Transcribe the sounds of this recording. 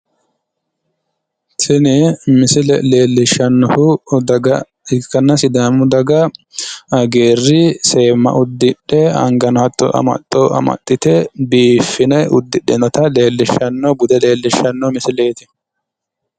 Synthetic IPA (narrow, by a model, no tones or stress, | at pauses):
sɪnɛmɪsɪlɛ̰le̞ːlːɪʃːɐnːɔhʊd̪ɐɡɐ | ɪkːɐnːɐsɪd̪aːmːʊd̪ɐɡɐ | ɐɡeːrːɪse̞ːmːɐ̰ʔʊd̪ːɪɗːɛɐ̰ŋɡɐnɐt̪ːɔ̰ʔɐ̰mɐ̰t̪ʼːoɐ̰mɐ̰t̪ʼːɪt̪ɛbiːfːɪnɛʔʊd̪ːɪɗɛnɔt̪ɐle̞ːlːɪʃːɐnːɔbʊd̪ɛle̞ːlːɪʃːɐnːɔmɪsɪle̞ːt̪ɪ̥